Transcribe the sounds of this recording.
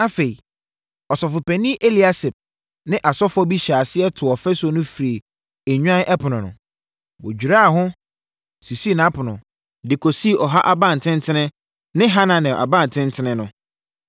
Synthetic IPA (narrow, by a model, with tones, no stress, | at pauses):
a˦fe˨i˨ | ɔ˨sɔ˨fʊ˨pɛ˨nĩ˦ʔe˦li˨a˦sɛ˨p̚ | nɪ̃˦ʔa˨sɔ˦fʊ˦ɔ˦bi˦ɕaː˨sɪ˦ɛ˦tʰʊ˨ɔ˨fɛ˦sɔ˨nʊ̃˦fi˨ɾe˨ | e˨ɲᶣu˦ã˦nɛ˦pʰʊ˨nʊ̃˨nʊ̰̃˨ | wo˨d͡ʑᶣu˨ɾa˦˨ɦʊ̃˦ | si˨si˦˨nã˦pʰʊ˨nʊ̃˨ | dɪ˨kʰo˨si˦˨ɔ˨ɦa˦ʔa˨bã˦˨n̩˨tʰɪ̃˦ntʰɪ̃˦nɪ̃˦ | nɪ̃˦ɦa˦nã˨nɛ̃˨ʔa̰˨bã˦˨n˨tʰɪ̃˦n˦tʰɪ˦nɪ̃˦nʊ̃˨